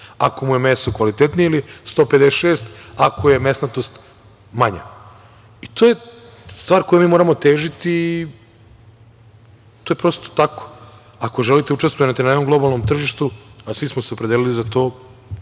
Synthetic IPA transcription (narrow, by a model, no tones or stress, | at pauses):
ako̞mujemesokʋalit̪et̪nijilist̪o̞ːped̪esʃeːst̪akʰojemesnat̪ost̪ | maɲa̰ | it̪ʰoːje̞ | st̪ʋaːɾko̞jemiːmoɾamo̞t̪e̞ːʒit̪iː | t̪o̞ːjepɾo̞ːst̪o̥t̪ako̥ | akoʒelit̪eut͡ʃest̪voinat̪inanekomɡlˠo̞balˠno̞mt̪r̩ʒiʃt̪uasʋismoseo̞pɾe̞d̪elilizat̪o̞ː